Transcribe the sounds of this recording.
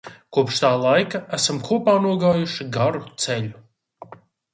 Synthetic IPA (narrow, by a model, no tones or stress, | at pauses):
kuɔpʃt̪aːlˠajkaæsamkʰuɔpaːnuɔɡaːjuʃiɡaɾut̪seʎʲu